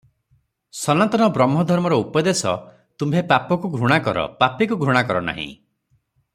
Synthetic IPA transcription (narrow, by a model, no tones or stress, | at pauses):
sɔnat̪ɔɽ̃ɔbɾɔmɦɔd̪ʱɔɾmɔɾɔupɔd̪esɔ̰ | t̪umbʱepapɔkuɡʱɾuɽ̃akɔɾɔ̰papikuɡʱɾuɽ̃akɔɾɔna̰ɦḭ̃